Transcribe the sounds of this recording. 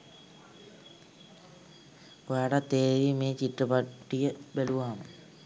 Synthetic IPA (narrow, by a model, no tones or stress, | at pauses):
ojaɽɐt̪eːʋimeːt͡ɕiʈrɨpɐʈːijɐbeluʋaːmɨ